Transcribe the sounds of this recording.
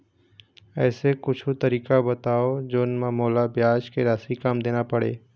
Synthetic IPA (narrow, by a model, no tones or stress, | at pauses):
ɛːsekʊt͡ʃʰut̪əɾiːkabət̪aːod͡ʒoːnmãmoːlabjaːʃkeɾaːsikaːmd̪eːnapəɽḛː